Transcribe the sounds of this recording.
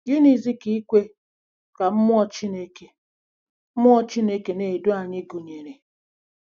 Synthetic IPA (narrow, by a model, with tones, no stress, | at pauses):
ɡɪ˦ni˨zi˦ki˦i˦kʷe˦ | ka˨m̩˦mʊ˦ɔ˦t͡ʃi˦ne˦ke˨ | m̩˦mʊ˦ɔ˦t͡ʃi˦ne˦ke˨ne˨do˦a˨ɲɪ˦ɡu˨ɲe˨ɾe˨